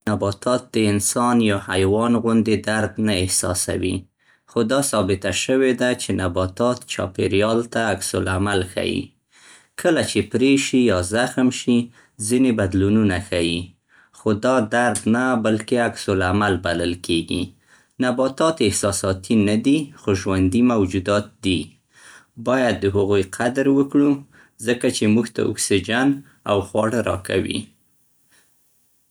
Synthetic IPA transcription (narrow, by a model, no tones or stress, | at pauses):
nabɑt̪ʰɑt̪̚d̪əɪnsɑnjɑhajwɑnɣʊnd̪ed̪aɾd̪naɪhsɑ̰sa̰wḭ | xod̪ɑsɑbɪt̪aʃəwed̪at͡ʃenabɑt̪ɑt̪t͡ʃɑ̰peɾjɑlt̪aːksʊlamalxa̰jḭ | kʰəlat͡ʃepɾeʃijɑzaxmʃi | zinebad̪lununaxaji | xod̪ɑd̪aɾd̪nabalkeaksʊlamalbaləlkeɡḭ | nabɑt̪ɑt̪ɪhsɑsɑt̪ʰinad̪ixoʒwand̪imawd͡ʒud̪ɑt̪̚d̪i | bɑjad̪ːəɦaɣujqʰad̪ɾwəkɽu | zəkat͡ʃemuɡt̪a̰ʊ̰ksid͡ʒan | a̰wxwɑɽəɾɑ̰kʰa̰wḭ